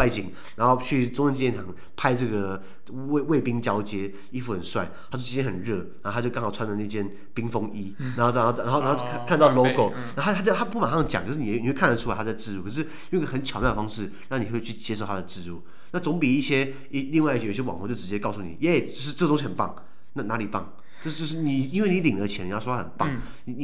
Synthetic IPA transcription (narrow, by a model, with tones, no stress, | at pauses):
pa˥˩ɪt͡ɕi˨˩ŋ | na˧˥nxo˥˧ʊt͡ɕʰy˥˩ʈ͡ʂʊ˥ŋə˥nt͡ɕi˧˩jɛ˥˩nt̪ʰɑ˨˩ŋ | pʰa˥ɪʈ͡ʂɤ˥˩ɡə˩˥˩ | we˥˩ɪpi˥ŋt͡ɕjɑ˥ʊt͡ɕjɛ˥ | i˥fu˥˩ə˨˩nswa˥˩ɪt̪ʰa˥t͡ɕo˥˩t͡ɕʰi˥t͡ɕjɛ˥xə˨˩nɻɤ˥˩na˧˥o˥˧a˥jo˥˩kɑ˥ŋxɑ˨˩t͡sʰa˥nlə˧˩na˥˧˩t͡ɕʰjɛ˥n | pi˥ŋfɤ˥ŋi˦˥na˧˥xo˥˧˩xo˥˧˩xo˥˧na˧˥˩kʰkʰa˥˧nt̪ɑ˥˩ʊlo˥ʊko˨˩ʊ | na˥˧˥a˥t͡ɕjo˥˧t̪ʰa˥pu˥˩pa˨˩nxa˥˧˦t͡ɕjɑ˨ŋkʰə˧˩ʂ̩˥˩n˨˧˩i˨˧we˥˧kʰa˥˩nlə˩ʈ͡ʂʰu˥a˧ɪtʰa˥t͡sa˥˧ɪʈ͡ʂɻ̩˥˧ɻu˥˩kʰɤ˨˩ʂɻ̩˥˩jo˥˧˥ɡə˧xə˧˦nt͡ɕʰjɑ˧˥mjɑ˥˩ə˩fɑ˥ŋʂɻ̩˥˩ɻɑ˥˩ŋni˨˩xwe˥˧t͡ɕʰy˥˩t͡ɕjɛ˧˥ʂo˥˩t̪ʰa˥ə˨ʈ͡ʂɻ̩˥˧ɻu˥˩ | na˥˩t͡sʊ˧˥ŋpi˨˩i˥˩ɕjɛ˥ | i˥˧li˥˧ŋwa˥˧i˥˧ɕji˩jw̰ŋxt͡ɕo˥˩ʊʈ͡ʂɻ̩˧˥t͡ɕjɛ˥kɑ˥˧ʊsu˥˩nḭ˨˩ɛ˥˧˥t͡ɕjo˥˧ʂɻ̩˥˧ʈ͡ʂɤ˥˩˧o˥ŋɕ̬i˧˩ə˨˩npɑ̰˥˩ŋ | na˥˩na˧˥li˨˩pɑ̰˥˩ŋ | t͡ɕt͡ɕo˥˧ʊʂt͡ɕjo˥˧ʊʂ̬ɻ̩˥˩ni˨˩˥nwe˩ɪni˧˥li˨˩ŋlə˧˦t͡ɕʰjɛ˧˥ni˨jwo˥a˥xə˨˩npɑ˥˨˩ŋ | ni˨˥ni˧˩